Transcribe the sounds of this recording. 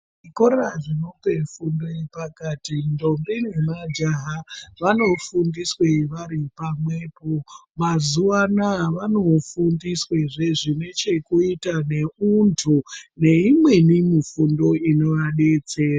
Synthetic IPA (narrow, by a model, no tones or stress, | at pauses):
ʐikoɾaʐino̞pe̞fundo̞ipakaːtindo̞mbine̞mad͡ʒaɦaʋano̞fundisweʋaɾipamwe̞ːpomazuʋanaʋano̞fundisweʐe̞ʐine̞t͡ʃe̞kuitane̞untʰune̞imwe̞nimifundo̞ino̞ʋaɗe̞t͡se̞ːra